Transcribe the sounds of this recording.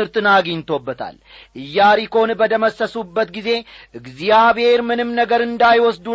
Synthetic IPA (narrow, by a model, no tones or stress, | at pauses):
ɨɾt̪ɨnaɡint̪ʰo̞bːət̪ʰa̰l | ʔɨjːaɾiko̞nbəd̪əməsːəsubːət̪ɡize̞ʔɨɡzijaβhe̞ɾmɨnɨmnəɡəɾɨnd̪ajwɔsd̪u